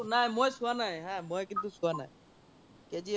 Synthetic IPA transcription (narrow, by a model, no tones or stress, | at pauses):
naɛ̃mojsuanajɦɛ̃mojkint̪̬usuana̰j | ked͡ʒi